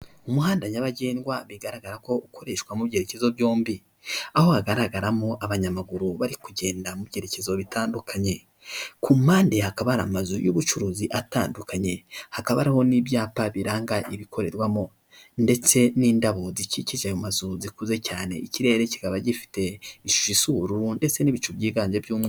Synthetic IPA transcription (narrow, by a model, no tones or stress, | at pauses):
umuhaːndaɲaβaɟe̞ːnɡwaβiɡaɾaɡaɾako̞uko̞ɾe̞ʃkwamuβɟe̞ɾece̞zo̞bjoːmbi | aho̞haɡaɾaɡaɾamoʔaβaɲamaɡuɾuβaɾikuɟe̞ːndamubɟe̞ɾe̞ce̞zo̞βitʰaːndukʰaɲe̞ | kumaːndehakaβaɾa̰mazujṵβut͡ʃuɾuːziʔata̰ːndukaɲe̞hakaβaɾaho̞nibjaːpaβiɾaːŋɡaʔiβikʰo̞ɾe̞ɾwamo̞ | nde̞t͡se̞niːndaβo̞ziciciʒajomazuzikuze̞caːne̞̰iciɾe̞ːɾeci̥ɡaβaɟifi̥te̞iʃu̥ʃisuɾunde̞t͡se̞niβit͡ʃubɟiːɡaːɲd͡ʒebjuːmŋwe